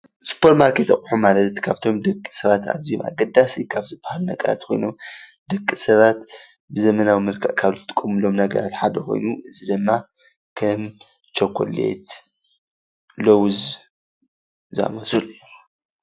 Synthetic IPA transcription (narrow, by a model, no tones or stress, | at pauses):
spʰoɾt̪maɾkʰet̪ɐxʼħumalɐt̪t̪kʰaβt̪ʰo̞md̪ɐkʼːi̥sɐβat̪ʰa̰zioma̰ɡɐd̪asikʰaβzɨbːahalunɐɡɐɾa̰t̪kʰo̞jno̞m | d̪ɐkʼːisɐβat̪ | bɨzɐmɐnawimɨlkʰɐʔkʰaβzɨt̪ʼɨ̥kʼːɐmɨlo̞mnɐɡɐ̰ɾat̪ħad̪ɐkʰojnuʔɨzid̪ɨmːa | kʰɐm | t͡ʃʰokʰːo̰lḛt̪ | lowz | zɨa̰mɐsɨl